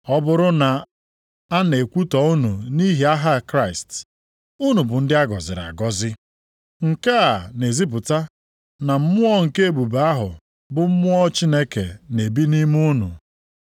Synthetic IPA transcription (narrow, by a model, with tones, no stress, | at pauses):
ɔ˦bʊ˦ɾʊ˦na˨ | a˦ne˨kʷu˦tɔ˨u˦nu˨ni˦ɦi˨a˦ɦa˦˨kɾa˦ɪ˨st | ʊ˦nu˨bʊ˨n̩˦dɪ˦a˦ɡɔ˨zɪ̰˨ɾa̰˨ɡɔ˦zɪ˦ | ŋ̩˨ka˦a˨ne˨zi˦p̬ʊ˨ta˦ | na˨m̩˦mʊ˦ɔ˦ŋ̩˨ke˦e˦˨bu˨ba˦ɦʊ˨ | bʊ˨m̩˦mʊ˦ɔ˦t͡ʃi˦ne˦kḛ˨ne˨bi˦ni˦m˦u˦nṵ˨